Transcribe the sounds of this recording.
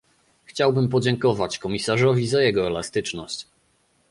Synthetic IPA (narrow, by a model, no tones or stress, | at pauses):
xt͡ɕawbɘmp̬ɔd͡ʑɛŋkɔvat͡ɕkɔmʲisaʐɔvʲizajɛɡɔɛlast̪ɘt͡ʂnɔɕt͡ɕ